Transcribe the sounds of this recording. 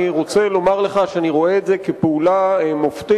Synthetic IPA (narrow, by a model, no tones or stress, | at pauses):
iʁo̞t͡se̞lo̞maʁleχaʃeaniʁo̞eːtzekepeulaemoft̪i